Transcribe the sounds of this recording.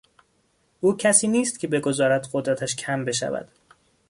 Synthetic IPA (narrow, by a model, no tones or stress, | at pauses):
ʔuːcʰæsiːniːst̪cʰʲe̞be̞ɡo̞zɒːɾæd̪ɢod̪ɾæt̪ʰæʃcʰæmbe̞ʃæ̰væ̰d̪̥